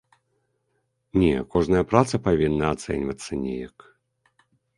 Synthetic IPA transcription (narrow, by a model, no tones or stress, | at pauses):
nʲɛ̰kɔʐnɐjɐpɾat̪sɐpavʲinːɐat̪sɛ̰nʲvɐt̪sːɐnʲɛ̰jɐk